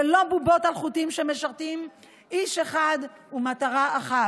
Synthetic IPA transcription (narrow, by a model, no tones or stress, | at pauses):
elobubo̞talχut̪imʃeme̞ʃaʁt̪im | iʃeχad̪ | umat̪aʁaaχa